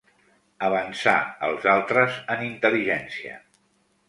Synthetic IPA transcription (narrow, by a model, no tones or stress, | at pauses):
əβ̞ənsa̰ə̰lˠzalˠt̪ɾəzənint̪əliʒɛnsiə̰